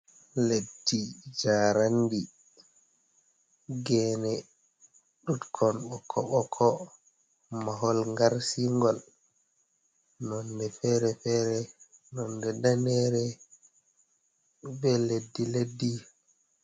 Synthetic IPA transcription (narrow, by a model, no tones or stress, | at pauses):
ledːid͡ʒaːɾandi | ɡɛːnɛ | ɗutkʰɔnɓɔkʰːɔɓɔkʰɔ | maɦɔlŋɡaɾsiŋɡɔl | nɔndɛfɛɾɛfɛːɾɛnɔndɛdanɛɾɛ | bɛledːiledːi